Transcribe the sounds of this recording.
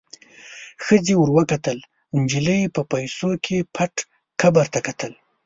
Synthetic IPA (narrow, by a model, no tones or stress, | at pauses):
xəd͡zewʊɾwəkat̪əl | ɪnd͡ʒiləjepəpajsokʰepʰaʈ | kʰabaɾt̪akat̪əl